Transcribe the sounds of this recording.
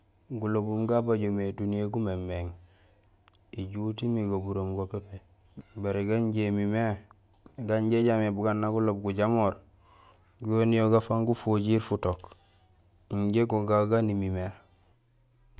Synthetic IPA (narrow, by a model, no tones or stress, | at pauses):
ɡulobumɡabaɟomedunijeɡumemːeŋ | iɟutimiɡobuɾomɡopepe | baɾeɡaɲɟemime | ɡaɲɟeɟamebuɡanːaɡulob̚ɡuɟamoːɾ | ɡonijoɡafaŋɡufoɟiɾfutok | iɲɟeɡoɡaɡanimimeɾ